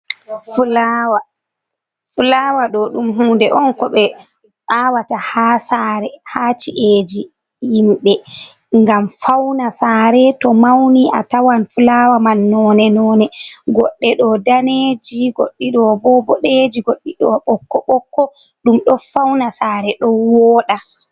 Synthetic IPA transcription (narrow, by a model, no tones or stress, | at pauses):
fulawa | fulawaɗɔɗumɦuːndɛʔɔnkɔɓɛ | saːwatahaːsaɾɛhat͡ʃiʔed͡ʒi | jimɓɛ | ŋɡamfawnasaːɾɛtɔmawniʔa̰tawanfulawamanːɔnɛnɔːnɛɡɔɗːɛɗɔdaned͡ʒiɡo̰ɗːiɗɔbɔbɔɗed͡ʒiɡoɗːiɗɔɓɔkːɔɓɔkːɔ | ɗumɗɔfawnasaːɾɛɗɔwɔːɗa